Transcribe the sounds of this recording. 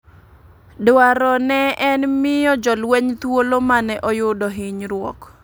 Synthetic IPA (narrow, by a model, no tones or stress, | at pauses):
dwaɾɔnɛʔɛnmɪjɔd͡ʒɔlwɛɲt̪wolomanɛʔɔjʊdɔɦɪɲɾwɔ̰k